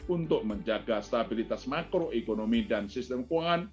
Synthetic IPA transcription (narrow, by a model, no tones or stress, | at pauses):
unt̪ʊʔməɲd͡ʒaɡast̪abilit̪asmakɾoʔekonomidansist̪ɛmkwaŋan